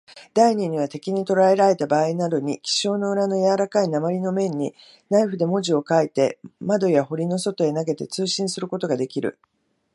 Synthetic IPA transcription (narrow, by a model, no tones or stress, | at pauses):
d̪̥aiɲ̟iɲ̟iβat̪e̞kʲiɲ̟it̪o̞ɾae̞ɾaɾe̞t̪abaːinad̪o̞ɲ̟ikʲi̥ɕo̞ːno̞ɯ̟ɾano̞jaɾakainamaɾʲino̞mẽ̞ɲ̟ːi | naiɸɯ̟d̪e̞mo̞ʑio̞kait̪e̞mad̪o̞jaho̞ɾʲino̞so̞t̪o̞e̞naɡe̞t̪e̞t͡sɨːɕĩɰ̃sɨɾɯ̟ko̞t̪o̞ɡad̪e̞kʲiɾɯ̟̰